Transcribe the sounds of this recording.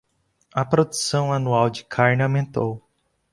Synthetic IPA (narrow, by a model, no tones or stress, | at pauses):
ɐpɾod̪usɐ̃w̃anuawd͡ʒɪkʰaɾnɪamẽnt̪ow